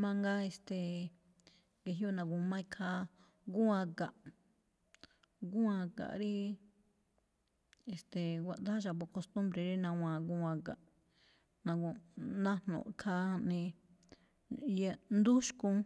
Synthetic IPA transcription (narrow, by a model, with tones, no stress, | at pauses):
mã˧ŋɡa˦e˧st̪e˨ | ɡe˧ɦjo˦nã˧ɡu˧mã˦ĩ˧kʰa˦ | ɡu˦ã˧ka˨ʔ | ɡu˦ã˧ka̰˨ʔɾi˦ | e˧˨st̪e˨wʷa˧ʔd̪a˦ʒa˧˨βo˧ko˧st̪ũ˦mbɾe˧ɾi˦nã˧w̃ã˧ɡu˧ã˧ka˨ʔ | nã˧ɡu˧nã˦n̥nõ̰˨kʰa˦˧nĩ˧ | ja˧nd̪u˦ʃkũ˧